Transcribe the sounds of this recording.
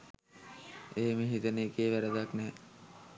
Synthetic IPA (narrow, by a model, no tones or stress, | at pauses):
eɦemiɦit̪əneːkeːʋæɾəd̪aknɛː